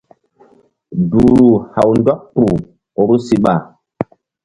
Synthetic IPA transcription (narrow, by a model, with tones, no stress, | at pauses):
duː˨ɾu˨ha˨wndɔ˦k̚tu˨ | o˨ɾu˦si˦ɓa˨